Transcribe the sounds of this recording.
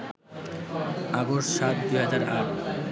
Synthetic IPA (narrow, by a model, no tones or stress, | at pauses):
aɡoʃʃat̪̚d̪ujɦad͡ʑaɾaʈ